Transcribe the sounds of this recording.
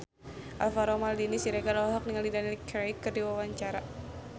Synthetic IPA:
ʔalfaɾɔmaldinisiɾɛɡalɔɦak̚niŋalidanilkɾakːɨrdiwawaɲt͡ʃaɾa

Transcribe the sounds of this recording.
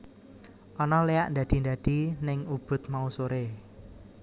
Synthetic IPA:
ʔɔnɔleaʔnd̪äd̪̥i̤nd̪ad̪̥i̤nɪŋub̥ʊ̤t̪̚mausoɾe

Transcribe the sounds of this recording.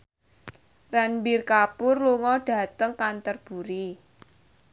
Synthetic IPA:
ranbirkapʊrluŋɔɖ̥a̤t̪əŋkant̪ərb̥uɾi

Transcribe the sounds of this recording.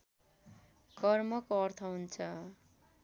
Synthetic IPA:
kʌrmʌkoʌrt̪ʰʌɦunt͡sʰʌ

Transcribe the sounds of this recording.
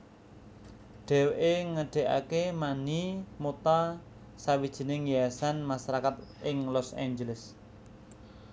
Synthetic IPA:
ɖ̥ɛ̤wʔeŋəɖ̥e̤ʔa̰kemanimot̪a | sawid̥ʒ̥i̤nɪŋjasanmasaɾakat̪ɪŋlɔsa̰ɲd͡ʒələs

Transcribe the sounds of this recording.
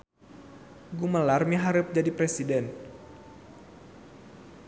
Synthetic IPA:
ɡuməlarmiɦaɾɨp̚d͡ʒadipɾesidɛn

